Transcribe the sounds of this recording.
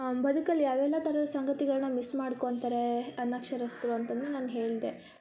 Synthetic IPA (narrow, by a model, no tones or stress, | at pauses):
bɐd̪ʱukɐlːijaːʋɛlːɐt̪ɐɾɐd̪ɐsɐŋɡɐt̪iɡɐɭnɐmismaːɽkoːnt̪ɐɾeɐnːɐkʂɐɾɐst̪ɾuɐnt̪ɐd̪enaːnɦe̞ːɭid̪e̞